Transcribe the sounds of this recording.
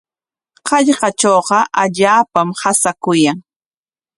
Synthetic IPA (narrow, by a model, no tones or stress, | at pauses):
hɑʎɢɑt͡ʃoːqɑʔaʎaːpamhasakʊjaŋ